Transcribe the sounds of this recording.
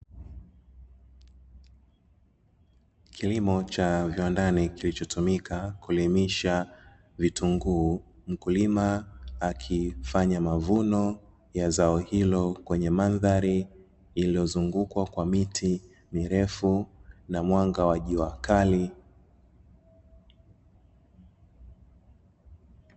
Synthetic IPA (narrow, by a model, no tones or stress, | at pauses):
kʰilimɔt͡ʃaviwandanikilit͡ʃɔtʰumikʰakulimiʃa | vituŋɡuːm̩kulimaːkʰifaɲamavunɔ | jazaɔhilɔkwɛɲɛmanðaɾiː | lijɔzuŋɡukwakwamitʰi | miɾɛfunamwaŋɡawaʄiwakali